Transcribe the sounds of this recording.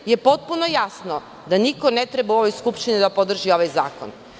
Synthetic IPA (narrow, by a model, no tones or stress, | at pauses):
jepot̪̚punojasno | d̪anikonɛt̪ɾɛbauoʋojskupʃt̪inid̪apod̪r̩ʒioʋajza̰ːko̰n